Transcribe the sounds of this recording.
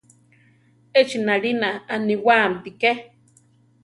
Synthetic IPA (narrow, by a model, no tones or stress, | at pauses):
et͡ʃinaɺinaːniwaːmpike